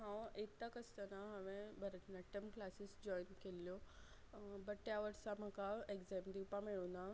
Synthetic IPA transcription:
ɦãwet̪akəst̪ənaɦəʋẽbʱəɾənəʈəmklasisd͡ʑɔjnkeljo | bəʈːjaʋəɽsãm̤əkaeɡzemd̪ipamiɭuna

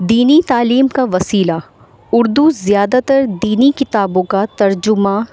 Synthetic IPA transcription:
d̪iːnit̪aːliːmkaʋɐsiːla | ʊɾd̪uzjaːd̪at̪əɾd̪iːnikɪt̪aːbõkat̪ɐɾd͡ʒʊma

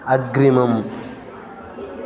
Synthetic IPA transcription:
aɡɾemãmu

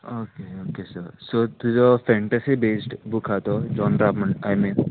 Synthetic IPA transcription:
okeokesəɾsot̪ud͡ʒɔfɛ̃ɳʈɐsibesʈbukʰat̪ɔd͡ʒɔnɾabməɳajme

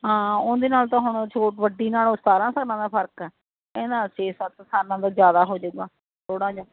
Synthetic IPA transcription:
ɦãːʊnd̪eːnaːlt̪ãːɦʊɳt͡ʃʰoːʈʋəɖːiːnaːlʊst̪aːɾãːsaːɾnãːd̪aːpʰəɾkɛː | ɛ̃ːd̪aːseːsət̪saːɾnãːd̪aːd͡ʒjaːd̪aːɦoːd͡ʒʊɡaː | t̪ʰoːɽãːd͡ʒaː

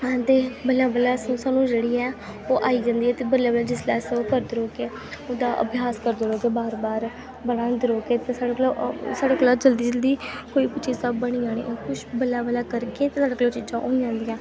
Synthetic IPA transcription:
ãːt̪eːbəlãːbəlaːssaːnũːd͡ʒeːɽiːɛː | oːʔaːiːd͡ʒãːnd̪iːɛːt̪eːbəɾlaːbəlaːd͡ʒɪslɛːsɛoːkəɾd̪ɾoːkeː | od̪aːʔə̰bʱjaːskəɾd̪ɾoːkeːbaːɾbaːɾ | bəlãːd̪ɪɾoːkeːt̪eːsaːɽaklosaːɖaːkolaːd͡ʒəld̪iːd͡ʒəld̪iːkoːiːpʊt͡ʃʰiːsəbːəɽ̃iːd͡ʒaːɽ̃ḭːʔokʊʃbəlaːbəlaːkəɾkeːt̪eːsaːɖaːkloːt͡ʃiːd͡ʒãːʔoːĩd͡ʒãːnd̪iːãː

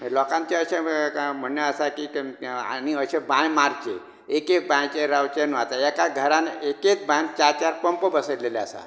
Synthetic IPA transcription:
məlɔkãnt͡ɕeəɕem̤əɳjeəsakia̰niəɕebãjmaɾt͡ɕe | ekek̚bãjt͡ɕeɾawt͡ɕenuʋat̪aɛkaɡʱəɾaneket͡sbãj̃t͡ɕaɾt͡ɕaɾpəmpəbəsəleleasa̰

